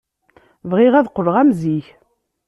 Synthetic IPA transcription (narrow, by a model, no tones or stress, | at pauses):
vʁɪʁæðqːərːʁæmziç